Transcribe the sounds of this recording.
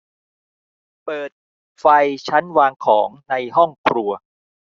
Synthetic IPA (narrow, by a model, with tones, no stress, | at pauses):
pɤː˨˩t̪̚ | fa˧jt͡ɕʰa˦˥nwaː˧ŋkʰɔː˩˦ŋna˧jɦɔ˥˩ŋkʰɾu˧ɐ